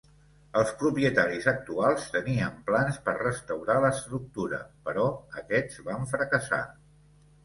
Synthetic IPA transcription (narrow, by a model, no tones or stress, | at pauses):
əlˠspɾupiət̪aɾizək̚t̪ualˠst̪əniəmplanspərrəst̪əwɾaləːst̪ɾuk̚t̪uɾə̰pəɾɔəkɛd͡zβaɱfɾəkəsa̰